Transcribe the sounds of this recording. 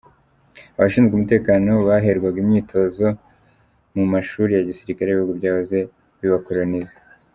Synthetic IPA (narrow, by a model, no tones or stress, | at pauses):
aβaʃiːnzɡemute̞ːkaːno̞βaɦeɾɡwaɡimɲiːtʰo̞zo̞ | mumaʃuɾijaɟisiɾikaɾeuɡubɟaːhoze̞ | βiβakoɾonize